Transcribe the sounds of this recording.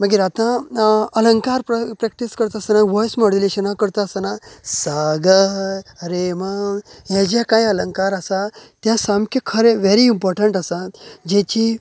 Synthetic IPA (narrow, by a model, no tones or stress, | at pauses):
məɡiːɾat̪ãələŋkaɾppɾɛk̚ʈiskəɾt̪aːsanaʋɔjsmɔɽileɕənakəɾt̪aːsanasaɡəɾemanjãd͡ʑjakajələŋkaɾəsat̪jãsamkʰəkʰəɾeʋeɾiːmpɔɾʈəɳʈəsad͡ʑɛt͡ɕi